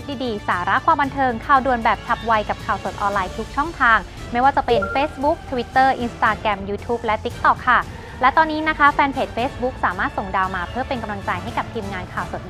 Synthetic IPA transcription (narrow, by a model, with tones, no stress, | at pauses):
t̪̚diː˧˩diː˧˩saː˩˦ɾa˦˥kʰwaː˧mba˧nt̪ʰɤː˧ŋkʰaː˧˩wdu˨˩ənbɛː˨˩p̚t͡ɕʰa˦˥p̚wa˧jka˨˩p̚kʰaː˨˩wso˨˩t̪̚ʔɔː˧nlaː˧jt̪ʰu˦˥k̚t͡ɕʰɔ˥˩ŋt̪ʰaː˧ŋ | ma˥˩jwaː˥˩t͡ɕa˨˩pe˧nfeː˦˥sbu˦˥k̚t̪ʰə˧wi˦˥t̪ːɤː˥˩ʔi˧nst̪aː˧kɾɛ˧mjuː˧t̪ʰuː˦˥p̚lɛ˦˥t̪i˦˥k̚t̪ɔ˨˩kʰːa˥˩ | lɛ˦˥t̪ɔː˧nːiː˦˥na˦˥kʰa˦˥fɛː˧npʰeː˨˩t̪̚feː˦˥sbu˦˥k̚saː˩˦maː˥˩t̪̚so˨˩ŋdaː˧wmaː˧pʰɯː˥˩pe˧nka˧mlaː˧nt͡ɕa˧jɦa˥˩jka˨˩p̚t̪ʰiː˧mŋaː˧nkʰaː˨˩wso˨˩t̪̚